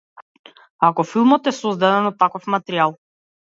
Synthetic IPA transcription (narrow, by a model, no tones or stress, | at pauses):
akɔfilˠmɔt̪ɛsɔzd̪ad̪ɛnɔt̪ːakɔfmat̪ɛɾialˠ